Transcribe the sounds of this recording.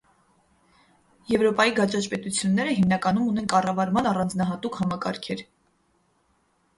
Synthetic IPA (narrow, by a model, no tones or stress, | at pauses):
jɛvɾɔpɑjiɡɑt͡ʃɑt͡ʃpɛt̪ut͡sʰjunːɛɾəɦimnɑkɑnumunɛnkɑrɑvɑɾmɑnɑrɑnd͡znɑɦɑt̪ukhɑmɑkɑ̰ɾkʰɛɾ